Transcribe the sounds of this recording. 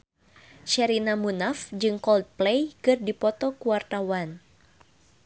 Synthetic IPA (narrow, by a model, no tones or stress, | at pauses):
ʃɛɾinamunafd͡ʒɨŋkɔlt̪̚plejkɨrdipɔt̪ɔkuwart̪awan